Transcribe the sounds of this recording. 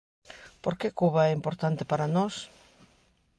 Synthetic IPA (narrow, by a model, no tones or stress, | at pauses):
poɾkekuβaɛimpoɾt̪ant̪ɪpaɾanɔs